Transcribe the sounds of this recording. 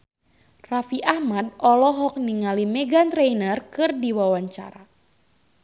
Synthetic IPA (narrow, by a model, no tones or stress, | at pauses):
rafiʔahmadɔlɔɦɔk̚niŋalimɛɡant̪ɾejnərkɨrdiwawaɲt͡ʃa̰ɾa